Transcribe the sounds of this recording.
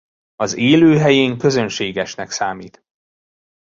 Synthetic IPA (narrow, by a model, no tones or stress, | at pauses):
ɒzeːløːɦɛjeːŋkø̞zønʃeːɡɛʃnɛksaːmiːt̪